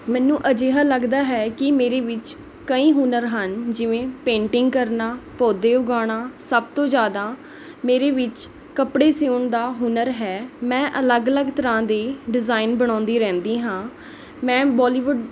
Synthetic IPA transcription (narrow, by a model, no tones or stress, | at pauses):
mɛ̃ːnːũːʔəd͡ʒeːɦaːləɡd̪aːɦɛːkɪmeːɾeːʋɪt͡ʃ | kəĩːɦunəɾɦənd͡ʒɪʋẽːpẽːɳʈɪŋɡkəɾnaːpɔːd̪eːʊɡaːɽ̃aːsəb̚t̪õːd͡ʒjaːd̪aː | meːɾeːʋɪt͡ʃ | kəpɽeːsiuɳd̪aːɦʊnəɾɦɛːmɛ̃ːʔələɡələɡt̪əɾãːd̪eːɖɪzaːɪnbəɽ̃ãːnd̪iːɾɛ̃ːnd̪iːɦãː | mɛ̃ːbɔːliːʋʊɖ